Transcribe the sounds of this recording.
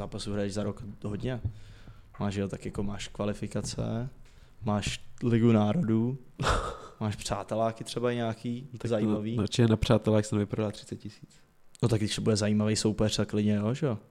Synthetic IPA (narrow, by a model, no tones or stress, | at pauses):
zaːpasuɦɾajɛʒzaɾokɦodɲɛ | maːʒʒɛot̪akjako̞maːʃkvalɪfɪkat͡sɛ̰ | maːʃlɪɡunaːɾo̞duː | maːʃpr̝̥aːt̪ɛlaːkɪt̪r̥ɛbaɲaːkiːt̪azajiːmaviːnat͡ʃɛɛnapr̝̥aːt̪ɛlaksavɪpɾodalːat̪r̥ɪ̥t͡sɛt̪̚cɪsiːt͡s | not̪aɡdɪʃsɛbujɛzaiːmavɛjsowpɛraklɪdɲɛjoʒɛjo